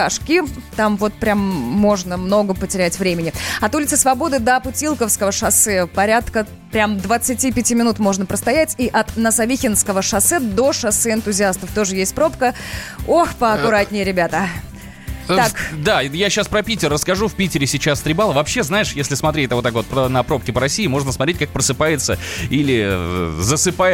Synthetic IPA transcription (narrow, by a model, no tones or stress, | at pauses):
ɐʂkʲit̪amvo̞t̪̚pɾʲamːo̞ʐnəmno̞ɡəpətʲɪɾʲætʲvɾʲemʲɪnʲɪɐt̪ulʲɪt̪sə̥svɐbo̞d̪ɨd̪əpʊtʲilˠkəfskəvəʂɐsɨpɐɾʲat̪kə | pɾʲamd̪vət̪sɨtʲipʲɪtʲimʲɪnut̪mo̞ʐnəpɾəst̪ɐjætʲiʔɐt̪nəsɐvʲixʲɪnskəvəʂɐsɨd̪o̞ʂɐsɨɪnt̪ʊzʲɪast̪əft̪o̞ʐɨjesʲt̚ʲpɾo̞pkəoxpəɐkʊɾatʲnʲɪjəɾʲɪbʲat̪ə | akd̪ajaɕaspɾəpʲitʲɪrːəskɐʐufʲpʲitʲɪɾʲɪsʲɪt͡ɕast̪ɾʲɪbalˠəvɐpɕːeznajɪʂjesʲlʲɪsmɐt̪ɾʲet̪̚ʲvot̪ːakvot̪̚pənɐpɾo̞p̚kʲɪpəɾɐsʲijɪmo̞ʐnəsmɐt̪ɾʲetʲkak̚pɾəsɨpajɪt̪səilʲɪzəsɨpa